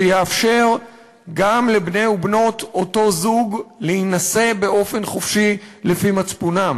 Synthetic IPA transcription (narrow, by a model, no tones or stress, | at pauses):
jeafʃe̞ʁ | ɡamle̞bnejubno̞to̞to̞zuɡlehinase̞be̞ʔo̞fe̞nχofʃilefimat͡spunam